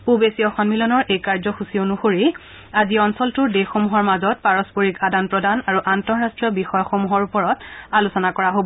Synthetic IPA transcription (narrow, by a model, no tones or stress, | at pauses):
pubesiɔxɔnmilɔnɔɹʔejkaɹzɔxusionuxoɹi | aziɔnsɔltʊɹdexomuɦɔɹmazɔt̚paɹɔspoɹikadanpɹɔdanaɹuʔantɔɹastɹɔbixɔjɔxomuɦɔɹupɔɹɔtalusɔnakɔɹaɦobɔ